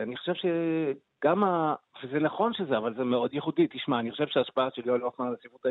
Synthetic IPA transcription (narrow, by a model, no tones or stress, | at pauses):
aniχo̥ʃe̞vʃe | ɡ̥amavezenaχo̞nʃezeavalzemeo̞d̪jeχudit̪iʃmaːniχoʃevʃeaʃpaaʃeljolofmanlasivut̪a